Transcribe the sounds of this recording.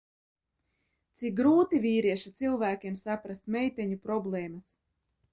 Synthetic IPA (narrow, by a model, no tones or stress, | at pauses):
t̪sik̚ɡɾuːt̪ivʲiːɾiɛʃit̪silˠvæːkʲiɛmsapɾast̪̚mɛjt̪ɛɲupɾɔblˠɛːmas